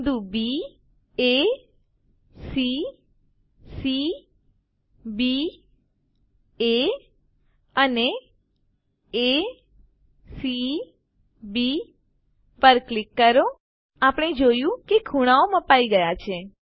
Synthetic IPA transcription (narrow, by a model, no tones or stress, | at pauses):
d̪ũbi | e | si | si | bi | e | əne | e | si | bi | pəɾklɪkːəɾo | apɽ̃ed͡ʒojũkekʰuɽ̃aoməpaiɡəjat͡ʃʰe